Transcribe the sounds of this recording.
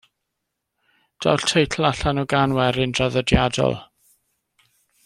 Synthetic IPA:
d̥ɔ̰wɬtʰejtʰl̩ˠaɬanɔɡanwɛɾɪndraðɔdjadɔ̰lˠ

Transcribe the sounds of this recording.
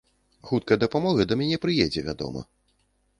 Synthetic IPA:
xut̪̚kɐjd̪ɐpamɔɣɐd̪ɐmʲanʲɛpɾɨjɛd͡zʲɛvʲad̪ɔ̰mɐ̰

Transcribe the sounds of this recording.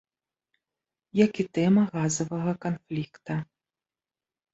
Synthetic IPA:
jakit̪ɛmɐɣazɐvɐɣɐkanflʲikt̪ɐ

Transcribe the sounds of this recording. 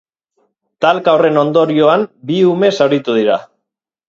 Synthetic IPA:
t̪alkawre̞no̞nd̪o̞ɾio̞ambiume̞sawɾit̪uð̞iɾa

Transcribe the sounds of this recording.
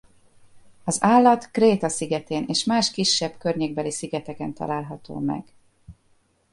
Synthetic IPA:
ɒzaːlːɒt̪kreːt̪ɒsiɡɛt̪eːnʔeːʃmaːʃkiʃːɛbkørɲeːɡ̚bɛlisiɡɛt̪ɛkɛnt̪ɒ̰laːlɦɒt̪o̰ːmɛ̰ɡ̥

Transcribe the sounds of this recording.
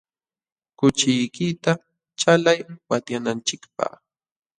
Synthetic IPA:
kʊt͡ʃɪjkɪt̪a | t͡ʃalajwat̪janant͡ʃɪkpa̰χ

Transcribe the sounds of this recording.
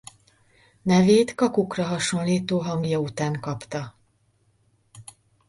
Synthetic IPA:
nɛveːt̪kɒkukrɒɦɒʃo̞nliːt̪oːɦɒŋɡjɒut̪aːŋkɒpt̪ɒ

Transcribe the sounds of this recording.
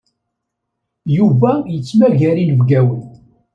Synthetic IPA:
juvæjət͡sːmæʝæɾinəvɡæwən

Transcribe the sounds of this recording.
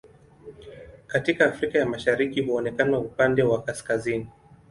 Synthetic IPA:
katikaːfɾikajamaʃaɾikihuɔnɛkanaupandɛwakaskazini

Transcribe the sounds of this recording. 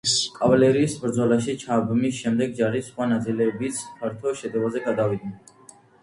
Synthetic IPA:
kʼavalɛɾiːsbɾd̪zɔlaʃit͡ʃʰabmisʃɛmd̪ɛɡ̚d͡ʒaɾisχwanat̪sʼilɛbit̪sʰpʰaɾt̪ʰɔʃɛd̪ɛvazɛɡad̪avid̪̚nɛ

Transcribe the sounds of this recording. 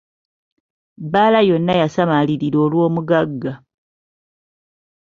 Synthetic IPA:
baːlajo̞nːajasamaliɾiɾo̞ːlwo̞ːmuɡaɡːa

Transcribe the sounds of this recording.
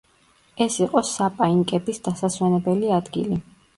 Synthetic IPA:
ɛsiqʼɔsapʼaiŋkʼɛbisd̪̥asaswɛnɛbɛliad̪ɡḭli

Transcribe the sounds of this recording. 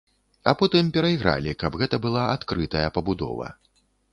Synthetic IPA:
apɔt̪ɨmpʲɛɾɐjɣɾa̰lʲikɐbɣɛt̪ɐbɨlˠaat̪kɾɨt̪ɐjɐpɐbud̪ɔ̰vɐ̰

